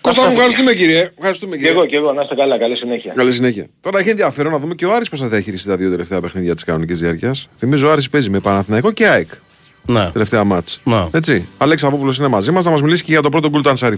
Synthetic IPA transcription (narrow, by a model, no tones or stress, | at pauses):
kost̪ɐmufxɐɾis̬t̪umeciɾiefxɐɾist̪umecieɣoceɣonɐst̪ekɐlɐkɐlisineçiɐkɐlis̬ineçiɐ̰t̪o̞ɾɐeçenðiɐfe̞ɾonɐðume̞ceoɐɾispos̬ɐðeçiɾist̪it̪ɐðio̞t̪e̞le̞ft̪eɐpe̞xniðʝɐt̪i̥skɐno̞nicizðiɐɾciɐsθimizoɐɾispe̞zimepɐnɐθinɐiko̞ceɐik | nt̪e̞le̞ft̪eɐmɐt͡sne̞t͡siɐleksɐpoplo̞s̬inemɐzimɐznɐmɐzmilisi̥ceʝɐt̪o̞pɾot̪o̞ɡult̪oɐnsɐɾi